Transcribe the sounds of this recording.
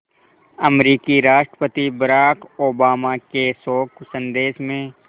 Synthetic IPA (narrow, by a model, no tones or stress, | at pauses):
ɐmɾiːkiɾaːʃʈɾəpət̪ibɐɾaːkoːbaːmakesoːksə̃nd̪eːʃmẽ